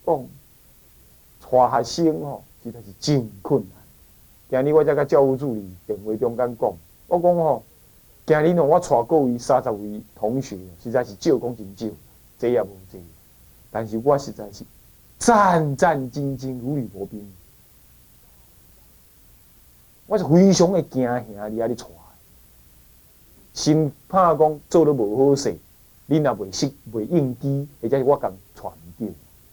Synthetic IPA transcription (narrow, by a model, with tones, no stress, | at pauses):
kɔ˥˧˨ŋ | t͡sʰwa˨ɦa˨ɕi˦ŋhɔ˨ɕi˧t̪ʰa˨˧˨ɕi˨˩t͡ɕi˧ŋkʰu˥˩˨nːa˨˦n | kj̃ã˧ɾi˦wa˦t͡ɕja˦ka˦t͡ɕja˧u˧˦t͡su˧li˨t̪ɛ˨˩ŋwe˧˦t̪jɔ˧˦ŋka˦nkɔ˥˨ŋ | wʔa˦kɔ˦ŋhɔ˨ | kj̃ã˧li˦nɔ̃˨˦wa˦t͡sʰwa˨ko˥˧wi˧sa˦t͡sa˨p̚wi˨˧t̪ʰɔ˨˦ŋɕe˨˦a˨ɕi˧t͡sa˧ɕi˨t͡ɕo˥˧˨kɔ˦ŋt͡ɕi˧nt͡ɕjo˥˨ | t͡se˦ja˧˩bo˨t͡se˨˦˨a˨ | t̪a˨nɕi˨ɡwa˦ɕi˧t͡sa˧jɕi˨ | t͡sa˦˧nt͡sa˥˧˨nt͡ɕi˧nt͡ɕi˧nlu˨˦li˨˩bɔ˨˦pi˧˦n˨ | wa˦i˨hwi˧˦ɕ̬jɔ˨˦ŋe˧kj̃ã˧ɦj̃ã˨˦li˦a˦li˦t͡sʰwa˨e˨ | ɕi˧npʰã˥˧kɔ˦ŋt͡so˥˧˨lo˦bo˨ho˦se˨ | li˦nã˨bwe˨˩ɕi˦k̚bwe˨˩i˦˧ŋki˦e˧˨t͡ɕa˦i˨wa˦ka˨ŋt͡sʰwa̰˨n̩˨t̪jo˧˨